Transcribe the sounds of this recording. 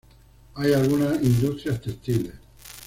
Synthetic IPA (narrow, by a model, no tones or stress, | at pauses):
ajalɣunaind̪ust̪ɾiast̪est̪iles